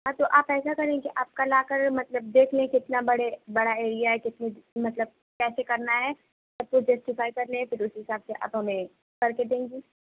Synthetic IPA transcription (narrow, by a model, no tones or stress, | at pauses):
ɦãːt̪oʔaːpɛːsakɐɾẽːkiʔaːp̚kalaːkɐɾmɐt̪ləb̚d̪eːkʰlẽɛ̃kɪt̪nabɐɽebɐɽaeːɾijaɦɛkɪt̪nemɐt̪ləb̚ | kɛːsekɐɾnaɦɛː | ɐtkod͡ʒɐːsʈɪfaːikɐɾnẽɦɛ̃fʰɪɾʊsɦɪsaːbseʔɐ̰bɦɐmẽ | kɐɾked̪ẽːŋ̆ɡiː